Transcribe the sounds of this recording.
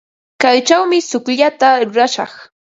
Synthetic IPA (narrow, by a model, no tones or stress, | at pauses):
kajt͡ʃawmɪsʊkʎat̪aɾʊɾaʃɑ̰χ